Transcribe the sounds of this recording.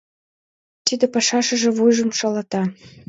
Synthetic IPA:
t̪id̪ĕpɑʃɑʃə̆ʒĕβujʒɤ̆mʃɑlɑt̪ɑ

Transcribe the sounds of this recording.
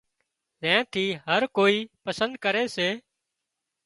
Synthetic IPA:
zɛ̃ːt̪ʰiːɦəɾkoːiːpəsə̃nd̪̚kəɾeːseː

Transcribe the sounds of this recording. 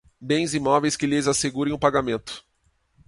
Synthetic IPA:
bẽj̃zimɔvejskɪlɪzaseɡuɾẽj̃ʊpaɡamẽnt̪ʊ̥

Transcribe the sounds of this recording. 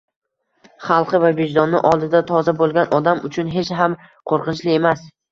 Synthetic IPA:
χɑlˠqɨvaved͡ʒd̪ɒnːɪ̰ʔɒlˠd̪ɪd̪at̪ʰɒzabolˠɡʲanɒd̪amʊt͡ʃʰʊnɦe̞t͡ʃɦam | qʰoɾqɨnt͡ʃlɪe̞mas

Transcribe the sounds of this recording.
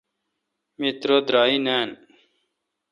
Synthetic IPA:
mit̪ɾod̪ɾaːineːn

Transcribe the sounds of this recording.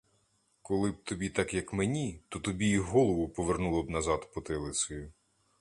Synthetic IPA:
kɔlˠɪb̚t̪ɔbʲit̪ɑkjɐkmenʲit̪ɔt̪ɔbʲiiɦɦɔlˠɔʋʊpɔʋernulˠɔbnɐzɑt̪pɔt̪ɪlˠɪsɔjʊ

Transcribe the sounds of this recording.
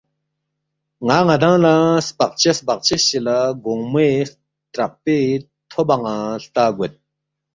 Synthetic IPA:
ŋaŋad̪aŋlaspaχ̚t͡ɕʰaspaχ̚t͡ɕʰəlɕəlaɡoŋme | trap̚pe | t̪ʰopːaŋaɬt̪aɡot̪̚

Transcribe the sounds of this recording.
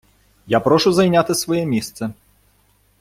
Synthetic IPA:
japɾɔʂuzɐjnʲat̪ɨsvɔjɛmʲest̪sɛ

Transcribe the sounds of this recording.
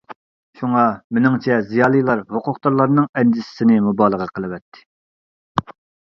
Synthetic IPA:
ʃuŋɑmɪnɪŋt͡ʃʰɛzijɑːlˠɨjlˠɑɾhoqʊχt̪ɑɾlˠɑɾnɨŋɛnd̪ɪsɪ̥sɪnɪmubɑːlˠəʁɑqʰəlˠɨwɛt̪ʰːɪ̥

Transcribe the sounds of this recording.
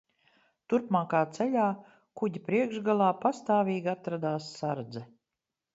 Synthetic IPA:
t̪uɾpmaːkaːt̪sɛʎʲaː | kuɟʲipɾiɛkʒɡalˠaːpast̪aːvʲiːɡat̪ɾad̪aːsːaɾd̪zɛ

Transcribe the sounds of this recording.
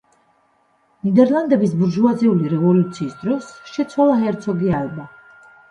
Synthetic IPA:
nid̪ɛɾlˠand̪ɛbisbuɾʒuad̪zɛuliɾɛvɔlut̪sʰiːsd̪ɾɔsʃɛt̪sʰwalˠaɦɛɾt̪sʰɔɡialɛba

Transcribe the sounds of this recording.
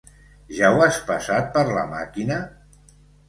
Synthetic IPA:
ʒawaspəsat̪̚pəɾlə̰ma̰kinə

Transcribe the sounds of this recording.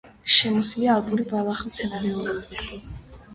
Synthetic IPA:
ʃɛmɔsiliaːlˠpʼuɾibalˠaχmt̪sʰɛnaɾɛɔɾɛbit̪ʰ

